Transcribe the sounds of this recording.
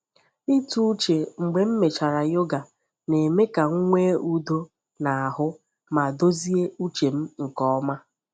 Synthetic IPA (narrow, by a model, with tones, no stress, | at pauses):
i˦tu˦u˦t͡ʃe˨ŋ͡m̩˨ɡ͡be˨m̩˦me˨t͡ʃa˨ɾa˨jo˦ɡa˨ | ne˨me˦ka˨ŋ̩˦ŋʷe˦u˦do˦ | na˨a˨ɦʊ˦ | ma˨do˦zi˦e˦u˦t͡ʃe˨m̩˦ŋ̩˨kɔ˦ma˦